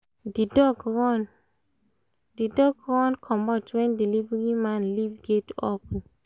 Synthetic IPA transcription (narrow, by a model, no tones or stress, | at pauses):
didɔɡɹɔn | didɔɡɹɔ̃nkʰɔ̃mbatwɛ̃ndilivɛɹimãnlivɡɛtɔp